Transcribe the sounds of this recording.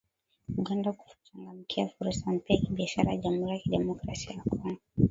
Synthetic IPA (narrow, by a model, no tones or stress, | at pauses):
uɠandaku̥fut͡ʃaŋɡamikʰiafuɾusam̩pikiɓiaʃaɾajaʄamhuɾijakiɗɛmɔkɾasiajakwana